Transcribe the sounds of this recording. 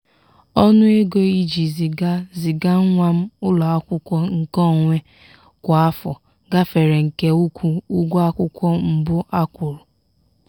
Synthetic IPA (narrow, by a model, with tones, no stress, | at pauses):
ɔ˦nʊ˦e˦ɡo˦i˦d͡ʒi˨zi˨ɡa˦zi˨ɡa˦ŋʷa˦m̩˦ʊ˦lɔ˨a˦kʷʊ˦kʷɔ˦ŋ̩˨kɔ˦˨ŋʷe˦ | kʷa˨a˦fɔ˨ | ɡa˦fe˨ɾe˨ŋ̩˨ke˦u˦kʷu˦u˦ɡʷa˦kʷʊ˦kʷɔ˦m̩˨bʊ˦ʔa˦kʷʊ˨ɾʊ˨